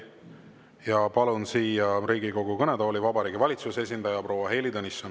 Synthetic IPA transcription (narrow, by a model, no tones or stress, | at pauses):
jɑpɑlunsiːjɑɾiːɡiko̞ɡukɤned̪̥ɑolʲivɑbɑɾiːɡivɑlʲit̪suse̞s̬ʲind̪̥ɑjɑpro̞ːwɑɦe̞ːlid̪ɤnisːon